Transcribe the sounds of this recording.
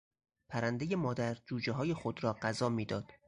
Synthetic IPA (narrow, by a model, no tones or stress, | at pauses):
pʰæɾænd̪e̞je̞mɒːd̪æɾd͡ʒuːd͡ʒeɦɒːje̞xod̪ɾɒːɢæzɒːmiːd̪ɒːd̪̥